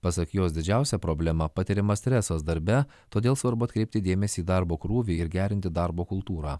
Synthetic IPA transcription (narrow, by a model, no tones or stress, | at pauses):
pɐsɐkjoːs̬d̪ʲɪd͡ʒʲæˑʊsʲɛpɾoːbʲlʲɛmɐpɐt̪ʲɪɾʲɪmɐsʲt̪ʲɾʲɛsɐsd̪ɐɾʲbʲɛ | t̪oːd̪ʲeːlˠsʋɐɾbʊɐt̪̚ʲkɾʲɛɪpt̪ʲɪd̪ʲeːmʲɛsʲiːd̪ɑɾboːkɾuːʋʲiɪɾɡʲæːɾʲɪnʲt̪ʲɪd̪ɑɾboːkʊlˠt̪uːɾɑː